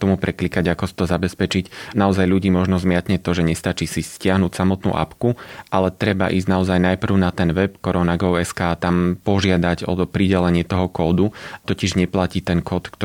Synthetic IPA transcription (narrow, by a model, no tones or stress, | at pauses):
t̪ɔmupɾʔɛklikaɟakɔsi̥t̪ɔzabɛspɛt͡ʃicnaɔzajʎuɟiːmɔʒnɔzmɪat̪ɲɛt̪ɔʒɛɲɛst̪at͡ʃisiscɪaɦnucsamɔt̪nṵːʔa̰pkuʔalɛt̪ɾɛba̰ʔḭːzɟnaɔzajnajpr̩ʊnat̪ɛnʋɛpkɔɾɔnaɡɔʊɛskaːt̪ampɔʒɪad̪aɟɔ̰ɔpɾiɟɛlɛɲɪɛt̪ɔɦɔkɔːd̪ut̪ɔciʒɲɛplaciːt̪ɛnkɔːt̪kt̪